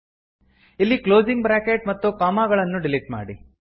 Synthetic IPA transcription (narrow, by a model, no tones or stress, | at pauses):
ilːikloːd͡ʒiŋɡbɾaːkeʈ̚mɐt̪ːukaːmaːɡɐɭɐnːuɖiliʈma̰ːɽi